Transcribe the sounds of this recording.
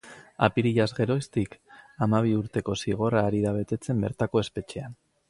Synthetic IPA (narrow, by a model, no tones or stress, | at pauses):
apiɾiʎazɣe̞ɾo̞st̪ikamaβ̞iuɾt̪e̞ko̞siɣ̞o̞raːɾiðaβ̞e̞t̪e̞t͡se̞mbe̞ɾt̪ako̞e̞spe̞t͡ʃean